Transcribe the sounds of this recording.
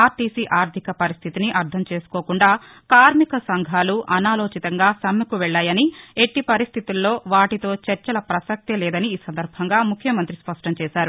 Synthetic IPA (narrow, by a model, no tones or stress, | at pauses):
aːɾʈiːsiʔaːɾt̪ʰikɐpɐɾist̪ʰit̪iniʔɐɾd̪ʱɐmt͡ʃe̞ːsu̥koːkuɳɖaː | kaːɾmikɐsɐŋɡʱaːluʔɐnaːloːt͡ʃit̪ɐŋɡaːsɐmːɐkuʋɛɭːaːjɐnie̞ʈːipɐɾist̪ʰit̪ilːo̞ːʋaːʈit̪o̞ːt͡ʃɐɾt͡ʃɐlɐpɾɐsɐk̚t̪elɛːd̪ɐniːsɐnd̪ɐɾbʱɐŋɡaːmukʰːjɐmɐnt̪ɾispɐʂʈɐmt͡ʃɛːʃaːɾu